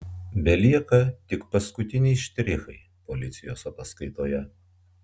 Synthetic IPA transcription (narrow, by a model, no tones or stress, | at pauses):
bʲɛlʲiɛkɐt̪ʲɪkpɐskʊt̪ʲɪnʲɛɪʃʲt̪ʲɾʲɪxɐɪ | polʲɪt̪sʲɪjo̰ːsɐt̪ɐskɐɪt̪oːjɛ